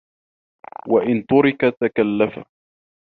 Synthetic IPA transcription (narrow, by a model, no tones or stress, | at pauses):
waʔɪnt̪ʊɾɪkat̪akalːafa̰